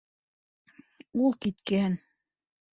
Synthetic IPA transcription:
ulˠkit̪kæhɘn

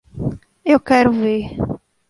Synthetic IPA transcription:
ewkɛɾʊveɾ

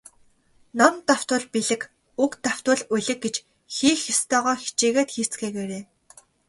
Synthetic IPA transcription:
nɔnt̪aw̥t̪ʊ̆ɮpiɮɘ̆k | ukt̪aw̥t̪ʊ̆ɮuɮɘ̆k̚ɡet͡ɕ | xiːxːist̪ʰœːʁɔːxi̥t͡ɕeːɣeːt̪xiːr̥t͡sɡeːɣeːɾeː

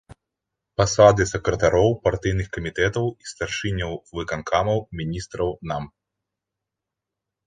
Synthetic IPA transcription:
pasad̪ɨsɛkɾɐt̪aɾɔwpart̪ɨjnɨxkɐmʲit̪ɛt̪ɐwist̪arʂɨnʲɐwvɨkankʰamɐwmʲinʲist̪ɾɐwnam

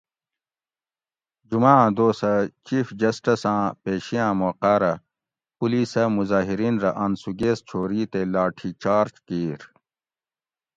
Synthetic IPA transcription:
d͡ʑumãːd̪oːsɐt͡ɕiːfd͡ʑɐsʈɐsãːpeːɕijãːmoːqaːɾɐ | puliːsɐmuzaːɦiɾiːnɾɐʔɐnsuɡeːst͡ɕʰoːɾiːt̪elaːʈʰit͡ɕaːɾt͡ɕkiːɾ

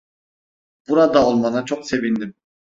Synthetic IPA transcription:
b̥uɾad̪aolˠmanat͡ʃʰokse̞vind̪im

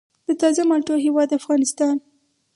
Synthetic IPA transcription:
d̪̥ət̪ɑzamaʈoɦewɑd̪afɣɑnɪst̪ɑn

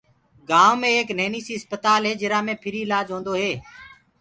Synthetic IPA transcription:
ɡaːʋmẽːeːkneːniːsiːspət̪aːlɦeːd͡ʒɪɾaːmẽːpʰɪɾiːɪlaːd͡ʒɦõːnd̪oːɦeː

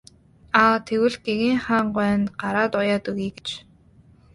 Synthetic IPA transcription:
aːt̪ʰewɘ̆ɮɡ̥eɣiːŋχaːɴɢæːnɢaɾaːt̪ʊjaːt̪ɵɣiːɡe̥t͡ɕ

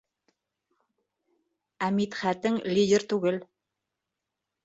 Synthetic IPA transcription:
æmit̪χæt̪ɘŋlʲidʲeɾt̪ʉɡɘl

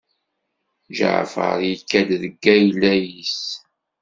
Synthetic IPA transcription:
ʒə̰ʕ̰fə̰ɾjikːæd̪ðəɡːæjlːæjis

